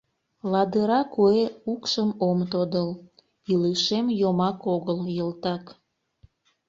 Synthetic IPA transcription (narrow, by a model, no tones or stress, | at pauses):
lɑd̪əɾɑkueukʃəmomt̪od̪əl | iləʃemjomɑkoɣəljəlt̪ɑk